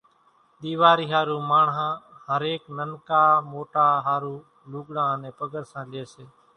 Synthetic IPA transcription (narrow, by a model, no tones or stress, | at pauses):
ɗ̪iːʋaːɾiːɦaːɾuːmaːɳɦãːhəɾeːknənkaːmoːʈaːɦaːɾuː | luːɡɽãːnẽːpəɡəɾsãːleːseː